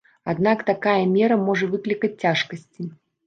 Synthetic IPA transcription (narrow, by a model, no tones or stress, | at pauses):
ad̪nakt̪akajɐmʲɛɾɐmɔʐɐvɨklʲikɐt͡sʲt͡sʲːaʂkɐsʲt͡sʲi